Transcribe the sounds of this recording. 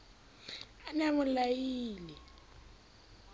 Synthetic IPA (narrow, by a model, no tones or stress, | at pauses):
anamʊlajiːlɛ